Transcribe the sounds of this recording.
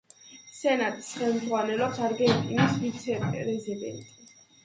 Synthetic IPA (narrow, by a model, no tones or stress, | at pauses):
sɛnat̪ʼi̥sχɛlˠmd̪zʁwanɛlɔpsaɾɡɛnt̪ʼinisvit̪sʰɛpɾɛzid̪ɛ̰nt̪ʼi